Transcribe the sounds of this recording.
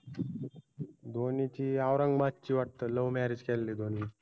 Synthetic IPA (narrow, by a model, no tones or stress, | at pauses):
d̪ʱonit͡ɕiːaʋɾəŋɡmatt͡ɕiːʋaʈ̚t̪əːləʋmɛɾid͡ʑkɛlːiːd̪ʱoniː